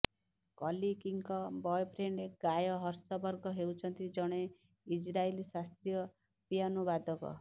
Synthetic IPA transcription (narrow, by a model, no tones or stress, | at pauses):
kɔlikiŋkɔbɔjpʰɾeɳɖeɡajɔɦʌɾsɔbɔɾɡɔɦewt͡ʃʰʌnt̪id͡ʒʌɽ̃e | id͡ʒɾalisast̪ɾijɔ | pijanubad̪ʱɔkɔ̰